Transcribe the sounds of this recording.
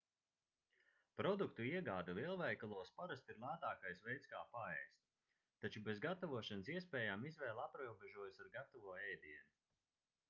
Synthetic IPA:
pɾɔd̪ukt̪uiɛɡaːd̪aliɛlˠvɛjkalˠuɔspaɾast̪iɾlˠaːt̪aːkajsvɛjt̪skaːpaɛjst̪ | t̪ːat͡ʃubezɡat̪avuɔʃansiɛspɛːjaːmizvɛːlˠapɾuɔbeʒuɔjsaɾɡat̪ɔvuɔɛjd̪iɛnu

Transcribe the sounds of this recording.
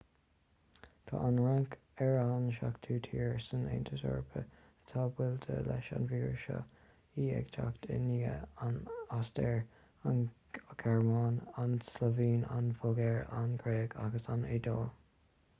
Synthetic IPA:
t̪ʰɑ̰ːʔanlaŋk | ɛɹanʃakt̪ʰuːt̪ʰiːɹsənḛnt̪ʰəsɔ̰ɹpʰə | ət̪ʰaːbwɪlt̪ʰəlɛ̰ʃa̰nviːɹʃɔ̰ | iːɛ̰ɡt͡ʃʰaktʰɪ̰niːəanastɛɹ | an | ɡʰɛɹmɑaːnanslɔviːna̰nfɔɡɛɹanɡɾeːɡʰaɡəsaned̪ɔːl

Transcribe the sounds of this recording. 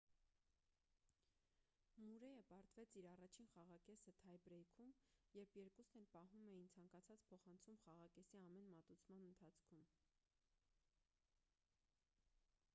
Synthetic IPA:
muɾɛjəpɑɾt̪vɛt͡sʰiɾɑrɑt͡ʃʰinχɑʁɑkɛsət̪ʰɑjbɾɛjkʰumjɛɾpʰjɛɾkusnɛlpɑɦumɛjint͡sʰɑŋkɑt͡sʰɑt͡spʰɔχɑnt͡sʰumχɑʁɑkɛsiɑmɛnmɑt̪ut͡sʰmɑnənt̪ʰɑt͡sʰkʰum

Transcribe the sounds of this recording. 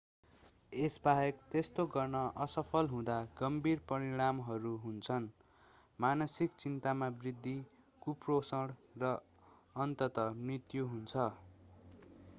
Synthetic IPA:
esbaɦekt̪est̪oɡʌrnʌʔʌsʌpʰʌlɦũd̪aɡʌmbirpʌɾiɽ̃amɦʌɾuɦunt͡sʰʌn | manʌsikt͡sint̪amabrid̪ʱːi | kuprosʌɽrʌ | ʌnt̪ʌt̪ʌmrit̪juɦunt͡sʰʌ

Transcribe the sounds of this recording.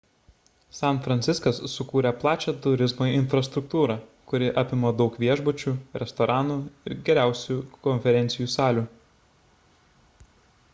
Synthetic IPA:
sɑnt̪fɾɐnʲt̪sʲɪskɐsːʊkuːɾʲɛplˠɑːt͡ʃʲɛt̪ʊɾʲɪzmoːɪnfɾɐst̪ɾʊk̚t̪uːɾɑkʊɾʲɪʔɑːpʲɪmoːd̪ɒʊkʋʲiɛʒbʊt͡ʃʲuːɾʲɛst̪ɔɾʔɑːnuːɪɾɡʲɛɾʲæˑʊsʲuːkɔnʲfʲɛɾʲɛnt̪sʲɪjuːsɑːlʲuː

